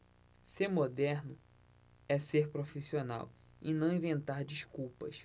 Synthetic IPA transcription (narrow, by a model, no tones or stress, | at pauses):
seɾmod̪ɛɾnʊ | ɛseɾpɾofisiona̰w | inɐ̃w̃ĩvẽnt̪aɾd͡ʒiʃkuwpɐʃ